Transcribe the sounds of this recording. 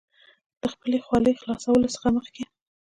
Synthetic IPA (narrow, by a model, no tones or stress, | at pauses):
d̪̥əxpəlexwɑləjxlɑsawəlosə̥xaməxke